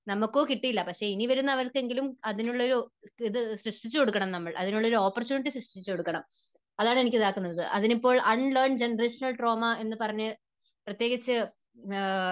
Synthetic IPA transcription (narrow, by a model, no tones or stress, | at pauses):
nɐmːukːo̞ːkiʈːijilːɐpɐkʂe̞iniʋɐɾunːɐʋɐɾke̞ŋɡilumɐðinuɭːɐo̞ɾuiðɨsrɨʂʈit͡ɕːɨko̞ɽukːɐɳɐmnɐmːɐɭʔɐ̰ðinuɭːɐoɾuoːpːort͡ɕuːniʈ̬ːisrɐʂʈit͡ɕːukoɽukːɐɳɐm | ɐðaːɳe̞nikʲːiðaːkːunːɐðɨ̰ʔɐðinipːo̞ːɭʔɐɳlɐrɳd͡ʑenɐreːʂɐnɐlʈro̞ːmɐe̞nːɨpɐrɐɲːɨ | prɐt̪jeːɣɐt͡ɕːɨ